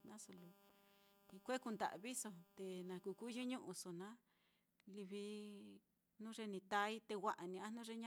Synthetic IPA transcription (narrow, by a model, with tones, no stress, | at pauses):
nã˦so˧˨lo˧ | i˧kʷe˦ku˧nd̪a̰˨βi˦so˧t̪e˧nã˨˧ku˧ku˦ʒu˦ɲũ˦ʔũ˧so˧nã˦ | li˧βi˧ | nũ˦ʐe˧nĩ˧t̪a˧i˦t̪e˧wʷa˦˧ʔa˨nĩ˧ã˦nũ˦ʐe˧ɲã˦